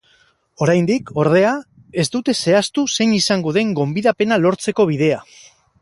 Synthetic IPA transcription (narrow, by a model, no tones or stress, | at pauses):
o̞ɾajnd̪iko̞ɾðe̞a | e̞zd̪ut̪e̞se̞ast̪use̞ɲisaŋɡoðe̞ŋɡo̞mbiðape̞nalo̞ɾt͡se̞ko̞β̞iðe̞a